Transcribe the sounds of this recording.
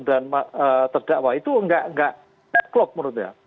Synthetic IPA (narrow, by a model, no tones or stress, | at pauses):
danmaət̪ərd̥aʔwait̪uŋɡaʔŋɡaʔ | aklɔp̚məɾʊt̪ja̰